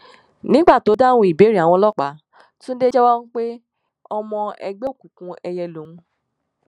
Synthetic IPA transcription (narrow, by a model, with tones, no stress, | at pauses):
nĩ˨˦ɡ͡ba˦˨to˨˦da˦˨wũ˧i˨be˨˦ɾi˦˨a˨w̃ɔ̃˧˦lɔ˦˨k͡pa˨˦ | tũ˦n̩˦de˦d͡ʒɛ˦wɔ˦nũ˦k͡pe˦ | ɔ˧mɔ̃˧ɛ̰˧ɡ͡be˦o˦˨ku˨kũ˧ɛ˧jɛ˧lo˨ũ˧˦